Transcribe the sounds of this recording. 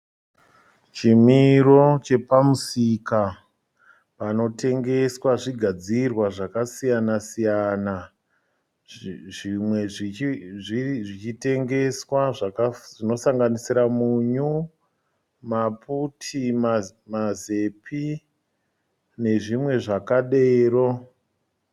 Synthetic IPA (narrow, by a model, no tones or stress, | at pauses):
t͡ʃimiɾo̞t͡ʃe̞pamusika | pano̞te̞ŋɡe̞swaʐiɡʱad͡zirwaʐakasijanasijana | ʐimweʐiʐiʐit͡ʃite̞ŋɡe̞swaʐakaʐino̞saŋɡanisiɾamuɲu | maputʰima | maze̞pʰi | ne̞ʐimwe̞ʐakaɗe̞ːro̞